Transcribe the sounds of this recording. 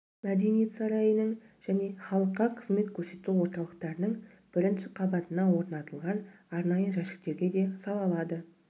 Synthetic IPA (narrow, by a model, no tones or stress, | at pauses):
mæd̪e̞nije̞t̪sɑɾɑjənəɴ | ʒ̥æne̞χɑlˠəqːɑqʰəzme̞t̪kʲʰɵɾse̞t̪uwo̞ɾt̪ɑlˠəqt̪ɑɾənəɴ | b̥ɪɾɪnʃɪqʰɑbɑt̪ənɑwo̞ɾnɑt̪əlˠʁɑnɑɾnɑjəʒæʃɪ̥k̚t̪e̞ɾɡʲe̞d̪e̞sɑlˠɑlˠɑd̪ə